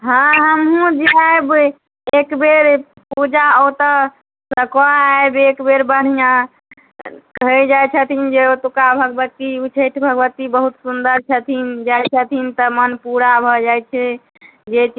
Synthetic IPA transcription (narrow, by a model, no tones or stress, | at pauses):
ɦãɦəmɦũd͡ʒeaeb | ekbeɾ | pud͡ʒaot̪ə | səkoaaebekbeɾbəɽ̤ijã | kəɦɛd͡ʒajt͡ʃʰət̪ʰind͡ʒeot̪ukabʱəɡbət̪iut͡ʃʰeʈʰbʱəɡbət̪ibəɦut̪sund̪əɾt͡ʃʰət̪ʰind͡ʒajt͡ʃʰət̪ʰint̪əmənpuɾabʱɔd͡ʒajt͡ʃʰɛ | d͡ʒet͡ʃ